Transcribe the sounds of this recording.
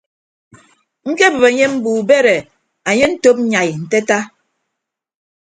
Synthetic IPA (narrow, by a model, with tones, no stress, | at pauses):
ŋ̩˦ke˦bɨ˨βe˨ɲe˦m̩˦buː˨be˦ɾe˨ | a˨ɲe˦n̩˦to˦p̚ɲa˨jn̩˨te˦ta˦